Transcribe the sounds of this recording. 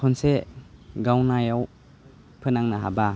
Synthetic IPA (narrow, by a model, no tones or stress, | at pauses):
kʰɔnseɡawnajaw | pʰɯnaŋnaɦa̰ba